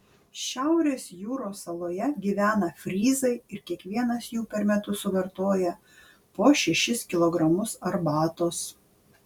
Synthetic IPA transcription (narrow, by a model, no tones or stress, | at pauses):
ʃʲæʊɾʲeːsjuːɾoːsɐlˠoːjɛɡʲiːʋʲæːnɐfʲɾʲiːzɐɪɪɾkʲiɛkʋʲiɛnɐsjuːpʲɛɾmʲɛt̪ʊsʊʋʲɐɾt̪oːjɛ | poːʃʲɛʃʲɪskʲɪlˠɔɡɾɐmʊsɐɾbɑːt̪oːs